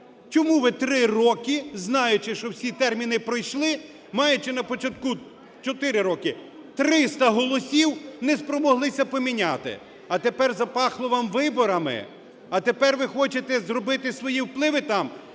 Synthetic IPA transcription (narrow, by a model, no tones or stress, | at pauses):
t͡ʃɔmuʋɪt̪ɾɪrɔkɪznɑjʊt͡ʃɪʃt͡ʃɔwsʲit̪ɛrmʲinɪpɾɔjʃlˠɪ | mɑjʊt͡ʃɪnɐpɔt͡ʃɐt̪̚ku | t͡ʃɔt̪ɪɾɪɾɔkɪ | t̪ɾɪst̪ɐɦɔlˠɔsʲiwnɛspɾɔmɔɦlˠɪsʲɐpɔmʲinʲat̪ɪ̰ | ɐt̪epɛrzɐpɑxlˠɔʋɑmʋɪbɔɾɐmɪ̰ | ɐt̪epɛrʋɪxɔt͡ʃet̪ɛzrɔbɪt̪ɪsʋɔjiwplˠɪʋɪt̪ɑm